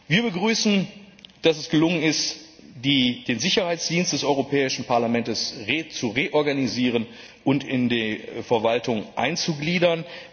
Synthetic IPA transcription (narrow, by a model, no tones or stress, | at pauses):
viːɐbəɡʁyːsn̩ | d̥asɛsɡ̥əlʊŋənɪst | did̥eːnzɪçɐhaɪt͡sd̥iːnst̚d̥ɛsʔɔʏʁopʰɛːɪʃn̩paɐlamɛntəsʁeːt͡suʁeːʔɔɐɡaniziːʁ̞ən | ʔʊntɪndefɛɐvaltʊŋʔa̰ɪnt͡suɡliːdɐn